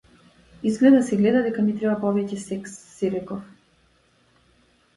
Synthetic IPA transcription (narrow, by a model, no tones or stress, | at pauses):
izɡlɛd̪asɛɡlɛd̪ad̪ɛkanit̪ɾɛbapɔvɛcɛsɛksːiɾɛkɔf